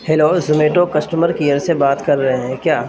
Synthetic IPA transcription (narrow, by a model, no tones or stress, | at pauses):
heloːzʊmeːʈokɐsʈəməɾkijəɾsebaːt̪kɐɾːɐɦeɦɛ̃kjaː